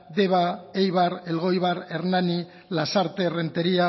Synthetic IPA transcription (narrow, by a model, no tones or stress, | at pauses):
de̞βaejβaɾelɣo̞jβaɾe̞ɾnani | lasaɾt̪e̞re̞nt̪e̞ɾia